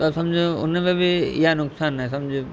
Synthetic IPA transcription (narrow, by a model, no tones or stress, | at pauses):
t̪osɐmd͡ʒʱeʊ̰nːẽpebʱiijanʊksaːnɦɛsɐmd͡ʒʱe